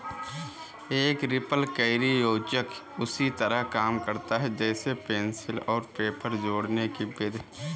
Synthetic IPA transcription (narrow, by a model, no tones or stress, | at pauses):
eːkɾɪpəlkɐɪɾijoːd͡ʒək | ʊsit̪əɾəɦkaːmkɐɾt̪aɦɛd͡ʒɛːsepeːnsɪlɔːɾpeːpəɾd͡ʒoːɽnekibɪd̪ʱ